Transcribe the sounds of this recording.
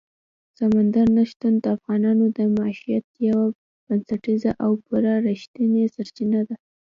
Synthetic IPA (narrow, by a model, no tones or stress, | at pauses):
samand̪aɾnaʃt̪und̪əafɣɑnɑnod̪əmaʃijat̪̚jawa | b̥ansaʈizaʔawbʊɾɑɾiʃt̪ənesaɾt͡ʃinad̪a